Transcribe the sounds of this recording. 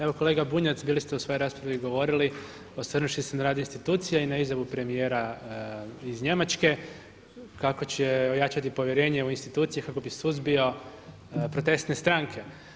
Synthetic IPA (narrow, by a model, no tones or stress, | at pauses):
e̞ʋo̞ko̞le̞ːɡabuɲat̪sbiːlist̪eusʋo̞jo̞ɾaːspɾaʋiɡo̞ʋo̞ɾili | o̞srnuʃisenaɾaːd̪inst̪it̪uːt̪sijainaizjaʋupɾe̞mije̞ːɾa | izɲe̞mat͡ʃke̞ | kako̞t͡ɕeo̞jat͡ʃat̪ipo̞ʋjeɾe̞ːɲeuinst̪it̪uːt̪sijekako̞bisuzbio̞ | pɾo̞t̪e̞st̪ne̞st̪ɾaŋkʰe̞